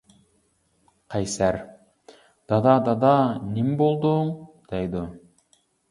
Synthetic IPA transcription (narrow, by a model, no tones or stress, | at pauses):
qʰɑjsæɾ | d̪̥ɑd̪ɑd̪ɑd̪ɑnimbolˠd̪oɴd̪̥ɑjd̪o